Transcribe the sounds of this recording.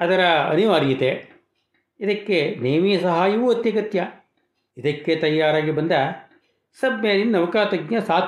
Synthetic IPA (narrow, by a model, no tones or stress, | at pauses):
ɐd̪ɐɾɐɐ̰niʋaːɾijit̪e | id̪ɐkːeneːmijɐsɐɦaːjɐʋuːɐt̪jɐkɐt̪jɐ | id̪ɐkːet̪ɐjːaːɾaːɡibɐnd̪ɐ | sɐbjɐːd̪inːɐʋɐkaːt̪ɐɡjɐsaːt̪